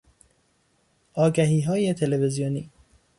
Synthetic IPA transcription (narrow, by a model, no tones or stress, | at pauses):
ʔɒːɡæɦiːɦɒːjet̪ʰe̞leve̞zijoniː